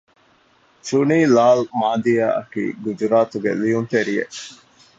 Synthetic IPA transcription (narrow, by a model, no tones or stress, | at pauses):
t͡ʃuniːlaːlmaːd̪ijaːʔɐkḭːɡud͡ʒuɾaːt̪uɡḛlijunt̪eɾijḛʔ